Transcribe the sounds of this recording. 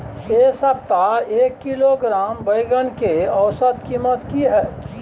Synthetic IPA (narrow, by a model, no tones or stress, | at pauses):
eːsəpt̪aeːkːiloɡɾaːmbəɪɡənkeəːsəd̪kiːmət̪kiɦɛː